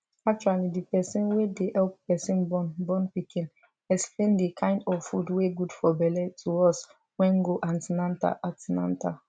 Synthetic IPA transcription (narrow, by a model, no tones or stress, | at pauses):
ak̚t͡ʃualidipɛsĩnwedehɛlp̚pɛsĩnbɔnbɔ̃npikʰĩn | ɛksplẽndikʰãɪ̃ndɔffudweɡudfɔbɛlɛtʰuɔs | wɛ̃ŋɡoʔãntinãnta̰ʔatinã̰nta